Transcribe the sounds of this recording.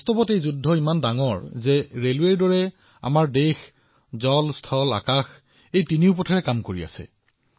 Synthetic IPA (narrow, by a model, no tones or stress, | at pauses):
bɔstɔbɔtejzudʱːɔimandaŋɔɹzɛɹelweɹdɔɹɛ | a̰maɹdex | zɔlstʰɔla̰kax | ejtiniʊp̬ɔtʰaɹɛkamkoɹḭa̰sɛ̰